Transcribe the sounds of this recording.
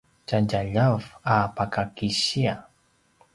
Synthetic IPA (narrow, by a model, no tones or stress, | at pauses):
t͡ʃad͡ʒaʎafapakakiʃia